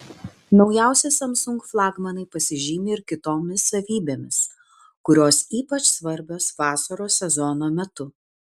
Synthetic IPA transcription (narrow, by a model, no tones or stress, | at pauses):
nɒʊjæˑʊsʲɛsɐmsʊŋkflˠɑːɡmɐnɐɪpɐsʲɪʒʲiːmʲeɪɾkʲɪt̪oːmʲɪsːɐʋʲiːbʲeːmʲɪs | kʊɾʲoːsiːpɐt͡ʃsʋɐɾʲbʲoːsʋɑːsɐɾoːsʲɛzɔnoːmʲɛt̪ʊ